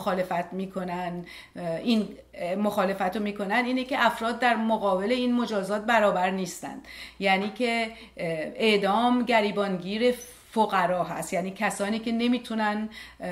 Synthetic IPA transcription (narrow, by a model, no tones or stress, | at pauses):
xɒːle̞fæt̪miːkʰo̞nænd̪ | in | moxɒːle̞fæt̪omiːkʰo̞nænd̪iːnecʰeʔæfɾɒːd̪ːæɾmoɣɒːbe̞le̞iːnmo̞d͡ʒɒːzɒːt̪̚bæɾɒːbæɾniːst̪æ̰nd̪̥jæniːcʰe | eʔd̪ɒːmɟæɾiːbɒːnɟiːɾe̞ | foɣæɾɒːɦæ̰st̪jæniːcʰæsɒːniːce̞ne̞miːt̪ʰunæn